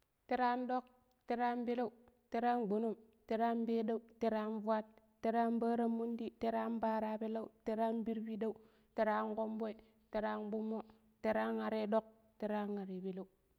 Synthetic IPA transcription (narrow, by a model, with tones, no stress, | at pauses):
te˦ɾa˦ndo˦k̚ | te˨ɾa˦nbe˦la˦u˨ | te˨˦ɾa˦nɡ͡bo˨no˦˨m | te˨ɾa˦nbe˦da˦u˦te˨ɾa˦nvu˦a˦t̚ː | e˨ɾa˦nba˦ɾa˦mːu˦ndi˦te˨ɾa˦nbaː˦ɾa˦be˦la˦u˦te˦ɾa˦nbi˦ɾbi˦da˦u˨˦ | te˨ɾa˦nko˦mbo˦i˨ | te˨ɾa˦nbu˦mːo˦ | te˨ɾa˦na˨ɾe˦do˦k̚ | te˨ɾa˦na˨ɾe˨bi˨la˦u˨